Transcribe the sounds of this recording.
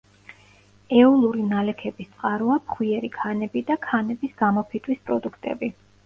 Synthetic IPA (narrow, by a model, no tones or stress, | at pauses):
ɛulˠuɾinalɛkʰɛbist̪sʼqʼaɾuapʰχwiɛɾikʰanɛbid̪akʰanɛbisɡ̥amɔpʰit̪ʰʼwispʼɾɔd̪ukʰt̪ʼɛ̰bi